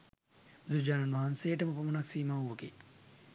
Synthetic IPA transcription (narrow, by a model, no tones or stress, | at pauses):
ud̪ud͡ʒaːnɐnʋaɦɐnseːʈɐmɐpɐmunɐksiːmaːuʋɐɡḛː